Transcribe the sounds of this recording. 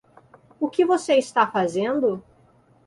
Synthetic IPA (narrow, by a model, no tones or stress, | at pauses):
ʊkɪvoseist̪afazẽnd̪ʊ